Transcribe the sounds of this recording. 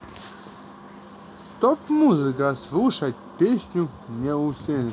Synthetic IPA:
st̪opmuzɨkəslˠuʂat̚ʲpʲesʲnʲʊnʲɛʊsʲenʲ

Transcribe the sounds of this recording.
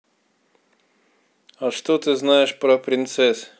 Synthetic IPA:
aʂt̪ot̪ɨznaɪʂpɾəpɾʲɪnt̪sɛs

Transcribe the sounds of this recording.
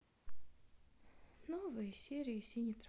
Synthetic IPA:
novɨjəsʲeɾʲɪɪsʲinʲit̪ɾ

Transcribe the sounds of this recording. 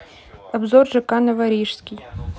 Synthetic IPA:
ɐbzɔrʐɨkanɐvɐɾʲiʂsʲkʲij

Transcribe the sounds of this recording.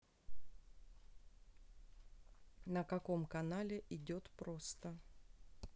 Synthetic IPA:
nəkɐko̞mkɐnalʲɪʔɪdʲo̞t̪pɾost̪ə

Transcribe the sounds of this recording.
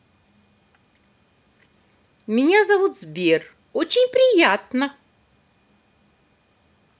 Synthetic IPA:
miɲʲazɐvut̪zbʲir | ɔt͡ʃɪnʲpɾʲijat̪nɐ

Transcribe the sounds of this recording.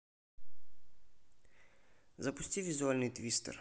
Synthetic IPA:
zɐpʊsʲtʲivʲɪzʊalʲnɨjt̪vʲist̪ə̰r

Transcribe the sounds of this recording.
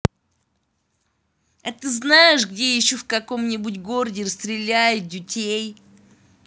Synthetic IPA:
ɐt̪ɨznajɪʂɡdʲejɪɕːofkɐko̞mnʲɪbʊtʲɡo̞rdʲɪrəst̪ɾʲɪlʲæjɪt̪̚dʲɪtʲej

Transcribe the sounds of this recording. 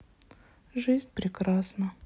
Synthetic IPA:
ʐɨzʲnʲpɾʲɪkɾasnə

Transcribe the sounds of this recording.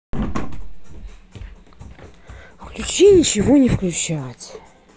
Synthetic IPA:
fklʲut͡ɕinʲɪt͡ɕɪvonʲɪfklʲʊt͡ɕatʲ

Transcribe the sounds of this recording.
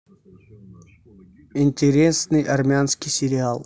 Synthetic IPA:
ɪnʲtʲɪɾʲesnɨjʔɐrmʲɪanskʲɪjsʲɪɾʲɪalˠ

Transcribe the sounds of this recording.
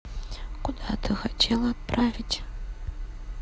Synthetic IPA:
kud̪at̪ʰɨxatʰelˠat̪̚pravʲitʲ

